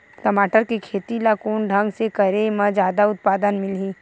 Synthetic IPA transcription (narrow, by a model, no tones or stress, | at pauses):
kɐmaːʈəɾkikʰeːt̪ilakoːnɖʱɐ̃ŋɡsekɐɾemɐ̃d͡ʒaːd̪aʊt̪̚paːd̪ənmɪlɦiː